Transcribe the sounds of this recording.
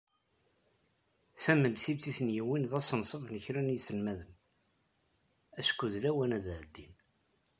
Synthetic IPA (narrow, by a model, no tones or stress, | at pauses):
θæmːənθibt͡siθənjiwinðæsˤənsˤəvnəçɾænjisəlmæðən | æʃkːuðlæwænæðʕəd̪ːin